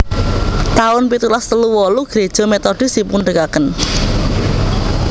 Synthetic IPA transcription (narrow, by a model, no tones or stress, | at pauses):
t̪aʊnpit̪ulast̪əluwɔluɡ̥ɾed̥ʒ̥ɔ̤met̪ɔɖ̥i̤sipuɳɖəkakən